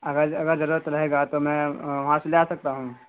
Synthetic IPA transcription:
ɐɡəɾɐɡəɾzɐɾuːɾət̪ɾɐɦeːɡat̪omɛ̃ːʋɐɦãseleasɐk̚t̪aɦũː

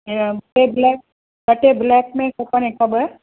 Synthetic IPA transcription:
bɐʈeblɛːk̚ | bɐʈeblɛːk̚mẽkokənekɐbəɾ

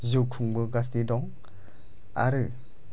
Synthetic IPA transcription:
zɯkʰuŋbɯɡastidɔŋ | a̰ɾɯ

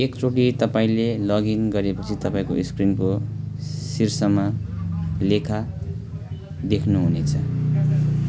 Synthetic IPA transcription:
ekt͡soʈit̪ʌpaĩlelʌɡinɡʌɾepʌt͡sʰit̪ʌpãĩkoiskrinko | sirsʌma | lekʰa | d̪ekʰnuɦunet͡sʰʌ

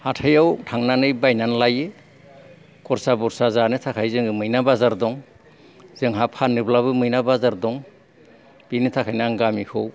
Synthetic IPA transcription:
hatʰɯjawtʰaŋnanɯjbajnanlajɯ | kʰɔɾsabɔɾsazanɯtʰakʰajzɯŋɯmɯjnabazaɾdɔŋ | zɯŋɦapʰanːɯblabɯmɯjnabazaɾdɔŋ | b̥inɯtʰakʰajnaŋɡamikʰɯw

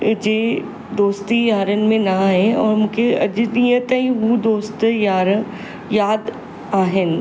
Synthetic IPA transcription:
d͡ʒeː | d̪oːst̪ijaːɾənmẽnɐɦɛ̃ɔːɾmʊ̃keɐd͡ʒd̪ijə̃t̪əɦiʋud̪oːst̪jaːɾə | jaːd̪ | aːɦɪn

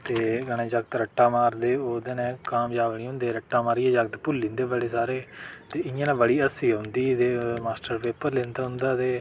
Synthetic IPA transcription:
t̪eːɡəɽ̃ẽːd͡ʒəɡət̪ɾəʈːaːmaːɾd̪eːoːd̪eːnɛ̃ːkaːmd͡ʒaːʋɳiːɦʊ̃nd̪eːɾəʈːaːmaːɾiːɛːd͡ʒəɡt̪pʊlːĩːnd̪eːbəɽeːsaːɾeːt̪eːɪjãːnãːbəɽiːəsiːɦʊ̃nd̪iːt̪eːmaːsʈəɾpeːpəɾlẽːnd̪aːɦʊ̃nd̪aːt̪eː

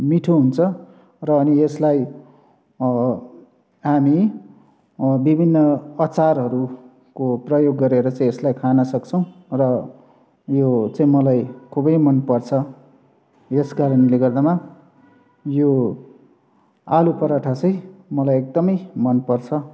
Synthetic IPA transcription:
miʈʰuɦunt͡sʰʌ | rʌːnieslaj | ɦami | bibʱinːʌʌt͡sarɦʌɾu | koprʌjoɡːʌɾeɾʌt͡saĩeslajkʰanʌsʌkt͡sʰʌ̃w̃rʌ | jot͡saĩmʌlajkʰubʌjmʌnpʌrt͡sʰʌ | eskaɾʌnileɡʌrd̪ama | jo | alupʌɾaʈʰat͡sʌj̃mʌlajek̚d̪ʌmʌjmʌnpʌrt͡sʰʌ

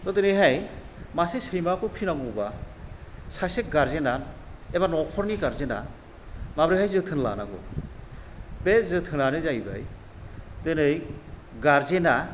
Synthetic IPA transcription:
t̪ɔtenɯjɦaj | masesɯjmakʰɯpʰinaɡɔba | sasek̚ɡaɾzenaneβanɔkʰɔɾniɡaɾzena̰ | mabɾɯhajzɯt̪ʰɯnla̰na̰ɡɔ̰ | bezɯt̪ʰɯnanezajba̰j | t̪ɯnɯjɡaɾzena

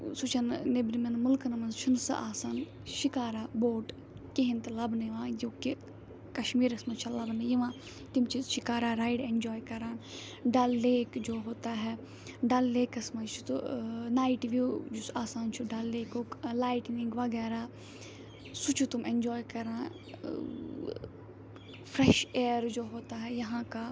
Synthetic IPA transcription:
sut͡ʃʰɐnnebɾimenmʊlknɐmɐnzt͡ʃʰunsa̰ʔaːsaːn | ʃɪkaːɾaːboːʈ | keɦint̪lɐbniʋãːjoːki | kɐʃmiːɾɐsmɐt͡ʃʰɐlɐbnɨjiʋãː | t̪imt͡ʃʰiʃɪkaːɾaːɾaːjiɖend͡ʒɔːjkɐɾãːn | ɖɐlːeːkd͡ʒoːɦoːt̪aːɦɛ | ɖɐlːeːkɐsmɐt͡ʃʰu̥t̪unaːiʈʋud͡ʒusaːsaːnt͡ʃʰuɖalːeːkolaːiʈnĩŋɡʋɐɡɛːɾaː | sut͡ʃʰut̪umend͡ʒɔːjkɐɾãː | pʰɾɛʃeːɾd͡ʒoːɦoːt̪aɦɛjɐɦãka

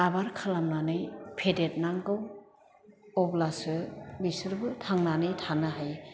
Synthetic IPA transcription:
abaɾkʰalamnanɯjpʰedet̚naŋkɯw | ɔblasɯbisɯɾbɯtʰaŋnanɯjtʰanɯɦaj

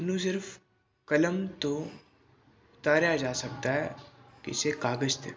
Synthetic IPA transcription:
nũs̬ɪɾf | kɐləmt̪o | ʊt̪aːɾjad͡ʒaːsɐk̚t̪aɦɛkɪ̰sekaːɡəd͡ʒt̪ʰḛː

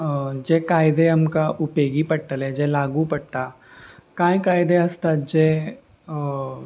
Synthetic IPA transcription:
d͡ʒeːkaːɪd̪eɐmkaʔʊpeːɡipɐʈʈːəlɛd͡ʒelaːɡupɐʈʈa | kãːĩkaːɪd̪eɐst̪ad͡ʒeː

